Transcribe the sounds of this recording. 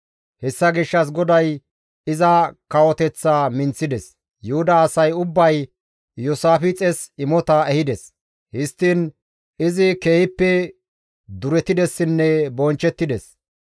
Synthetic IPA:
hɛsːɐɡɪʃːɐs̬ɡɔd̪ɐj | ɪzɐkɐwɔt̪ɛt͡sːaːmɪnt͡sːɪd̪ɛs | jʊhʊd̪ɐːsɐjʊbːɐj | jʊsaːfɪt͡sʼɛsɪmɔt̪ɐɛhɪd̪ɛs | hɪst̪ːɪn | ɪzɪkeːhɪpːɛ | d̪ʊɾɛt̪ɪd̪ɛsːɪnːɛbɔnt͡ʃːɛt̪ːɪd̪ɛs

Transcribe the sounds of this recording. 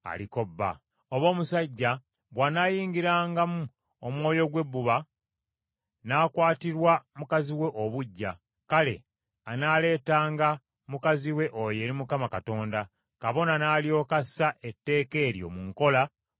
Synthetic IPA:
a̰liko̞bːa̰ | oβo̞ːmusaɟːa | βwanaːjiːŋɡiɾaːŋɡamu | omwo̞ːjo̞ɡwe̞bːuβa | naːkwaːtiɾwamukaziwe̞ʔoβuɟːa | kale̞̰ | anaːle̞ːtaːŋɡa | mukaziwe̞ʔo̞je̞ːɾimukamakato̞ːnda | kaβo̞nanaːljo̞ːkasaʔe̞tːe̞ːke̞ːɾjo̞̰muŋko̞la

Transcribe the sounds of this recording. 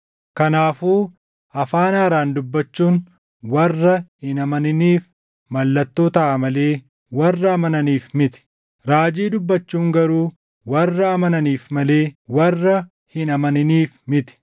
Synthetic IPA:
kɐnaːfuː | ɐfaːnaːɾaːnd̪ʊbːɐt͡ʃːuːn | wɐrːɐhɪnɐmɐnɪniːf | mɐlːɐt̪ːoːt̪ɐʔɐmɐleː | wɐrːɐːmɐnɐniːfmɪt̪ɪ̥ | ɾaːd͡ʒiːd̪ʊbːɐt͡ʃːuːŋɡɐɾuː | wɐrːɐɐmɐnɐniːfmɐle̞ːwɐrːɐ | hɪnɐmɐnɪniːfmɪt̪ɪ̥

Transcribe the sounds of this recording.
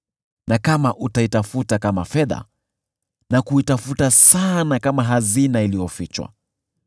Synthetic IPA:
nakamaʔutaitafutakama̰fɛða̰ | nakuitafutasanakamaɦazinailijɔfit͡ʃwa̰

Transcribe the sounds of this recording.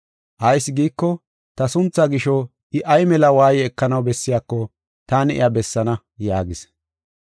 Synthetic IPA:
ʔɐjsːɡiːkːɔ | t̪ɐsʊnt͡sːɐɡɪʃɔ | ɪʔɐjmɛlɐwaːjɛɛkːɐnɐwbɛsːɪjaːkːɔ | t̪aːnɪʔɪ̰ɐbɛsːɐnɐ | jaːɡɪs

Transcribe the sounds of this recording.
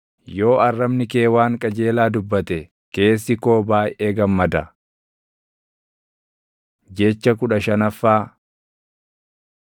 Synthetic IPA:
jo̞ːɐrːɐmnɪke̞ːwaːŋkʼɐd͡ʒe̞ːlaːd̪ʊbːɐt̪ɛ | ke̞ːsːɪko̞ːbaːjʔeːɡɐmːɐd̪ɐ | d͡ʒɛt͡ʃːɐkʊᶑɐʃɐnɐfːaː

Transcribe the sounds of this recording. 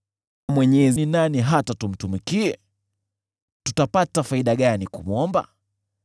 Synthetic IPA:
mwɛɲɛzininaniɦatatum̩tumikiɛ | tutapatafaiɗaɠanikṵmuɔmba̰

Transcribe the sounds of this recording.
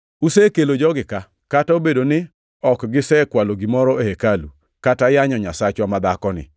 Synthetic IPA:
usekelod͡ʒɔɡɪka | kataobedonɪ | ɔkɡɪsɛkwaloɡimɔɾɔehekalṵ | katajaɲɔɲasat͡ʃwamad̪akɔnɪ̰

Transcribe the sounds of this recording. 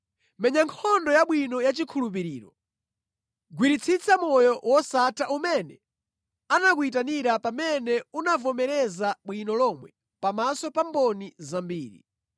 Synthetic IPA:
mɛɲaŋkʰɔndɔjaɓwinɔjat͡ʃikʰulup̬iɾiːɾɔ | ɡwiɾit͡sʰit͡sʰamɔjɔwɔsatʰaʔumɛnɛ | anak̬uitaniɾapamɛnɛunavɔmɛɾɛzaɓwinɔlɔmwɛ | pamasɔpambɔnizambiːɾḭ

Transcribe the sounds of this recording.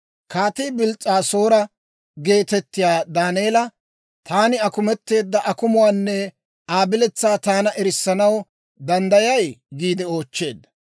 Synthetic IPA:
kaːt̪iːbɪlt͡sʼːaːso̞ːɾɐ | ɡe̞ːt̪ɛt̪ːɪjaːd̪aːneːlɐ | t̪ʰaːnɪɐkʊmɛt̪ːe̞ːd̪ːɐʔɐkʊmʊwaːnːɛ | aːbɪlɛt͡sːaːt̪aːnɐʔɛɾɪsːɐnɐw | d̪ɐnd̪ɐjɐjɡiːd̪ɛo̞ːt͡ʃːe̞ːd̪ːɐ

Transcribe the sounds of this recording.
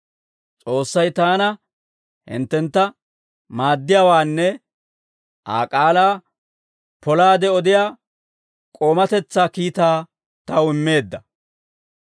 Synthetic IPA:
t͡sʼo̞ːsːɐjt̪aːnɐ | hɪ̰nt̪ːɛnt̪ːɐ | maːd̪ːɪjaːwaːnːɛ | ʔa̰ːkʼaːlaː | pɔlaːd̪ɛɔd̪ɪjaː | kʼo̞ːmɐt̪ɛt͡sːaːkiːt̪aː | t̪ɐwɪmːe̞ːd̪ːɐ

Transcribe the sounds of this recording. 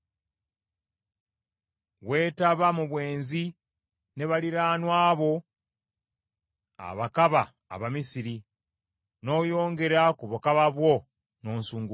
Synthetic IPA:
we̞ːtaβamuβwe̞ːnzi | ne̞βaliɾaːnwaːβo̞ | a̰βakaβa̰ː | βamisiɾi | no̞ːjo̞ːŋɡe̞ɾakuβukaβaβwo̞ | no̞ːnsuːŋɡu

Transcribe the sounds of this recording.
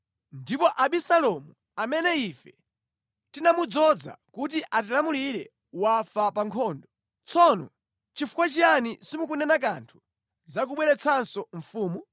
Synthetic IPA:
ndipɔʔaɓisalɔmu | amɛnɛifɛ | tinamud͡zɔd͡za̰kut̬iʔat̬ilamuliɾɛ | wafapaŋkʰɔːndɔ | t͡sʰɔnɔ̰ | t͡ʃifukwat͡ʃianisimukunɛnakantʰu̥ | zak̬uɓwɛɾɛt͡sʰansɔɱ̩fuːmu

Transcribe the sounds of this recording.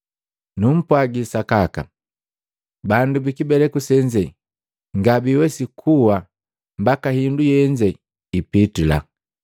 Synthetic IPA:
num̩pwaɡisakaka̰ | bandubikibɛlɛkusɛɲd͡ʒɛ | ŋɡabiwɛsikʰuwa | mbakahindujɛɲd͡ʒɛ | ipitula̰

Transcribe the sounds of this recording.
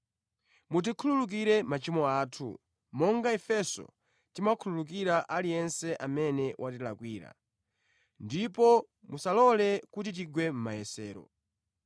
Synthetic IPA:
mut̬ikʰululuk̬iɾɛmat͡ʃimɔaːtʰṵ | mɔŋɡaɛfɛsɔ̰ | timakʰululuk̬iɾaʔalijɛnsɛʔamɛnɛwʔat̬ila̰kwiːɾa̰ | ndipɔ | musalɔlɛkutit̬iɡwɛm̩majɛsɛːɾɔ̰

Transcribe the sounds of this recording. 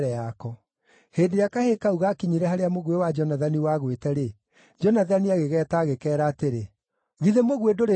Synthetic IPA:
ɾɛakɔ | heːdeɾeakahekauɣakiɲiɾɛhaɾeamoɣwewad͡ʒɔnaðaniwaɣwetɛɾe | d͡ʒɔnaðaniaɣeɣɛːtaːɣekɛːɾaːteɾe | ɣiðemoɣwedoɾe

